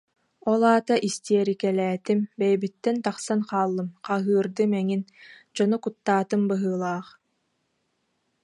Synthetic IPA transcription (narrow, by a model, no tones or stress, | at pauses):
ɔlˠaːt̪aʔist̪iɛɾikɛlɛːt̪imbɛjɛbit̪ːɛnt̪aχsanqaːlˠːɯmqaɦɯːɾd̪ɯmɛŋind͡ʑɔnukut̪ːaːt̪ɯmbɯɦɯːlˠaːχ